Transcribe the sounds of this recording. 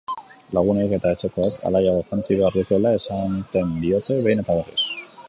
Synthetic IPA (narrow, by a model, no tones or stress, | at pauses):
laɣ̞uneke̞t̪aet͡ʃe̞ko̞akʰa̰lajaɣoxant͡siβe̞aɾðukoelae̞sant̪e̞nd̪io̞t̪e̞βe̞jne̞t̪aβoɾḛs